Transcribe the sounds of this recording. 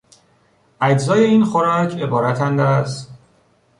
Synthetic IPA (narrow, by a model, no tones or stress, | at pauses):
æd͡ʒzɒːje̞iːnxoɾɒːcʰe̞bɒːɾæt̪ʰænd̪æst̪